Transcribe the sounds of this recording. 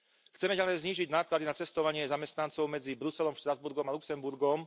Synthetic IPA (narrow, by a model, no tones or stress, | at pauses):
xt͡sɛmɛɟalɛjzɲiːʒiɟnaːklad̪inat͡sɛst̪ɔʋaɲɪɛzamɛst̪nant͡sɔʊmɛd͡zibɾusɛlɔmʃt̪ɾazbuɾɡɔmaluksɛmbuɾɡɔm